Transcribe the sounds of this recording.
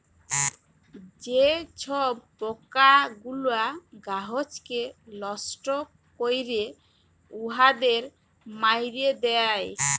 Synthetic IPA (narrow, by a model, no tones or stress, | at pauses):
d͡ʑet͡ɕʰobpokaɡuloaɡaɦot͡ɕkelɔsʈo | kojɾe | uɦad̪eɾ | majɾed̪eaj